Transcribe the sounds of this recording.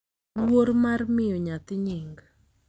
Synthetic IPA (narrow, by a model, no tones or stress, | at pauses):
woɾmarmɪjɔɲat̪ɪɲɪŋɡ